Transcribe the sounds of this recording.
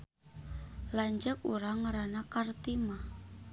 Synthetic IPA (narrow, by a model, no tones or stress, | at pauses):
laɲd͡ʒək̚ṵɾaŋɾanakart̪ima